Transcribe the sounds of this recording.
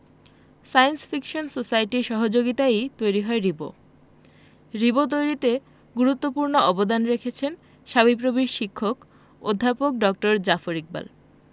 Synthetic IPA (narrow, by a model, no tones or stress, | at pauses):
sajnsfikʃonsosajʈiɾʃɔɦod͡ʑoɡit̪aet̪ojɾiɦɔeɾibo̰ | ɾibot̪̬ojɾit̪e | ɡuɾut̪ːopuɾnoɔbod̪anɾekʰet͡ɕʰen | ʃaβip̬ɾobiʃʃikʰːok | o̰d̪ʱːapok̚ɖɔk̚ʈoɾd͡ʑafoɾik̚ba̰l